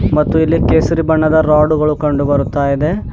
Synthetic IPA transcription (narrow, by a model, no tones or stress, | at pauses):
mɐt̪ːuilːikeːsɐɾibɐɳːɐd̪ɐɾaːɖuɣɐɭukɐɳɖubɐɾut̪ːaːjid̪e̞